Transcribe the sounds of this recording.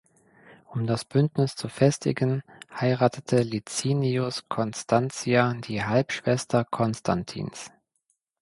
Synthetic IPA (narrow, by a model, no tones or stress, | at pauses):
ʔʊmdasb̥ʏntnɪst͡sufɛstɪ̰ɡənhaɪʁaːtʰətʰəlit͡siːniʊskʰɔnstʰant͡siadiːɦalpʃv̥ɛstɐkʰɔnstʰa̰ntʰḭːns